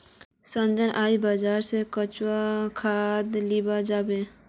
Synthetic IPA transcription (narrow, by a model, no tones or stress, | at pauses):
sə̃nd͡ʒənʔaːibaːd͡ʒaːɾsekət͡ʃwakʰaːd̪libad͡ʒaːbe